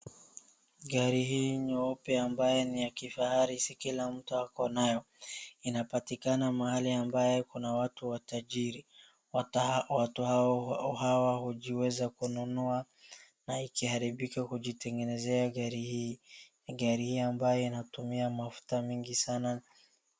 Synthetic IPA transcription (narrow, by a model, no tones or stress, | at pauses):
ɡaɾihiːɲɔɔpɛambajɛnijakifahaɾisikilam̩tuakɔnajɔ | inapatikanamahaliambajɛkunawatuwataʄiɾi | watuhaɔhawaɦuʄiwɛzakununua | naikihaɾiɓikakuʄitɛŋɡɛnɛzɛaɡaɾihiː | ɡaɾihiːambajɔinatumiamafu̥tamiŋɡisana